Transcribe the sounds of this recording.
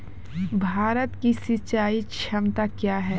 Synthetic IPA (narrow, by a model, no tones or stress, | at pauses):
bʱaːɾət̪kisit͡ʃaːikʃʰɐmt̪akjaːɦɛː